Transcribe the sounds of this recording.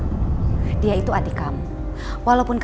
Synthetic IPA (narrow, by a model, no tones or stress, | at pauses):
diait̪uad̪ikam | walaupʊnk